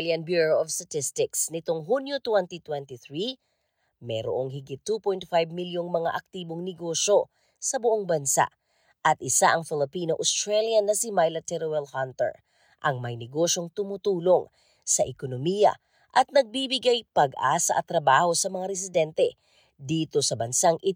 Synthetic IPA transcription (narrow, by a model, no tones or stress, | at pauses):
ljɐnbjuɹoʔovst̪ɐt̪ɪst̪ɪksnɪt̪oŋɦunjot̪wɛnt̪it̪wɛnt̪iθɹi | mɛɾo̰ʔoŋhɪɡɪt̪ːupojnt̪fajbmiljoŋmɐŋa̰ʔɐk̚t̪iːboŋnɛɡo̞ʃo̞ | sɐbʊʔoŋbɐnsa̰ʔ | ʔɐt̪̚ʔɪsaʔɐŋfɪlɪpiːnoʔost̪ɾaljɐnːɐsɪmajlɐt̪ɛɾowɛlhant̪ɛ̰ɹ | ʔɐŋmɐjnɛɡo̞ʃo̞ŋt̪ʊmʊt̪uːlo̞ŋ | sɐʔɛkonomiːjɐ̰ | ʔɐt̪̚nɐɡ̚bibɪɡajpɐɡʔaːsɐʔɐt̪ɾɐbaːho̞sɐmɐŋaɾɛs̬ɪd̪ɛnt̪ɛ | d̪iːt̪o̞sɐbɐnsaŋʔɪ